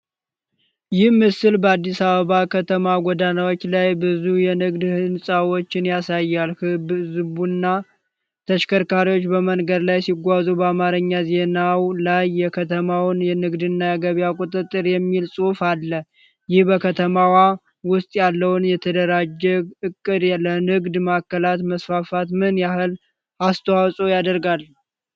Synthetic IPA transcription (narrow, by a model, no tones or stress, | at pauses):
jɪhmɨsɨlbəad̪ːisaβəβakʰət̪ʰəmaɡʷɔd̪anawot͡ʃːlajbɨzujɛnɨɡd̪hɨnsʼawo̞t͡ʃːɪnjasajːalhɨbzɨβunːa | t̪ʰəʃkʰəɾkaɾiwo̞t͡ʃːbəmənɡəd̪lajsiɡʷazubəamaɾɨɲːaze̞nawlajːɛkʰət̪ʰəmawnjɛnɨɡd̪ɨnːajaɡəβijakʼut̪ʼɨt̪ʼːɨɾjɛmːilsʼufalːə | jɪhbəkʰət̪ʰəmawa | wʊst̪ʼjalːəwnjɛt̪ʰəd̪əɾad͡ʒɛɡɨkʼːɨd̪lənɨɡd̪makːəlat̪məsfafat̪mɨnjahɨl | ast̪ʰəwawsʼojad̪əɾɡalː